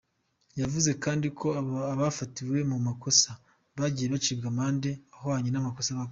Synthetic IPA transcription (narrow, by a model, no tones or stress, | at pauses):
javuze̞kaːndikʰo̞aβafatiwe̞mumako̞sa | βaɟijeβat͡ʃibɡamaːnde̞ahohaɲenamako̞saβa